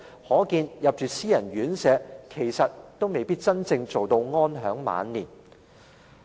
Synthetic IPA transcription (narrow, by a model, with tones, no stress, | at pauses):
hɔː˨˥kiː˧njɐ˨p̚t͡ʃyː˨siː˥jɐ˨˩nɥyː˨˥nsɛː˨˧kʰe˨˩jsɐ˨t̚t̪o˥wme˨jpiː˥t̚t͡sɐ˥nt͡sɪ˧ŋt͡so˨wt̪o˧wŋɔː˥nɦœː˨˥ŋma̰ː˨˧nliː˨˩n